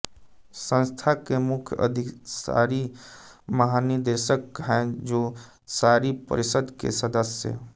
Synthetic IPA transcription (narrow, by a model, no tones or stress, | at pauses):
sə̃nst̪ʰakemʊkʰjə̰d̪ʱɪksa̰ːɾi | məɦanid̪əɾʃəkɦɛ̃d͡ʒoː | saːɾipə̰ɾɪʃəd̪kḛsəd̪əsjə̰